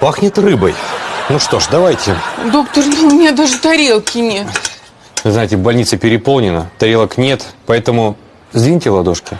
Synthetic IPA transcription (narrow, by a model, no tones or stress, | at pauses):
paxnʲɪt̪rɨbəjnuʂt̪o̞ʂd̪ɐvajtʲɪd̪o̞kt̪ərnʊmʲɪnʲad̪aʐɨt̪ɐɾʲelˠkʲɪnʲet̪ | vɨznaɪtʲɪbɐlʲnʲit̪səpʲɪɾʲɪpo̞lˠnʲɪnət̪ɐɾʲelˠəknʲe̞t̪pɐɛt̪əmʊ | zd̪ʲinʲitʲɪvlˠɐd̪oʂkʲɪ